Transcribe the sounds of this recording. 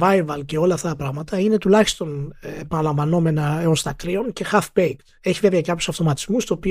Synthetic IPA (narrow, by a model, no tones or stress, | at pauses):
vɐjvɐlce̞o̞lɐːft̪ɐt̪ɐpɾɐɣmɐt̪ɐine̞t̪ulɐçist̪o̞npɐnɐlɐɱvɐno̞me̞nɐeost̪ɐk̪ɾio̞nce̞xɐfbejk̪ | e̞çiveveɐkɐpçu̥sɐft̪o̞mɐt̪i̥zmust̪uopi